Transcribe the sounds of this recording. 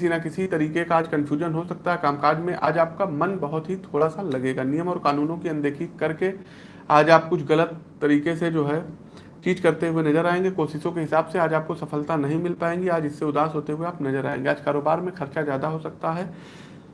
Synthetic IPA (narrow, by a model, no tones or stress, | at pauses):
kɪsinakɪsit̪ɐɾiːkekaːd͡ʒkɐ̃nfʰjuːʒənɦosɐk̚t̪aɦɛkaːmkaːɾd͡ʒmẽʔa̰ːd͡ʒaːp̚kamɐnbɐɦʊt̪ɦit̪ʰoːɽasalɐɡeːɡanɪjəmɔːɾkaːnuːnõkiɐ̃nd̪eːkʰikɐɾke | aːd͡ʒaːp̚kʊt͡ʃʰɣɐlət̪ːɐɾiːkesed͡ʒoːɦɛ | t͡ʃiːd͡ʒkɐɾt̪eɦʊenɐzəɾaːẽːŋɡekoːʃɪʃõkeɦɪsaːbseaːd͡ʒaːp̚kosɐfəlt̪anɐɦĩmɪlpaːẽːŋɡiaːd͡ʒɪsːeʊd̪aːsɦoːt̪eɦʊeaːpnɐzəɾa̰ːḛ̃ːŋɡeaːd͡ʒkaːɾoːbaːɾmẽxɐɾt͡ʃazjaːd̪aɦosɐk̚t̪aɦɛː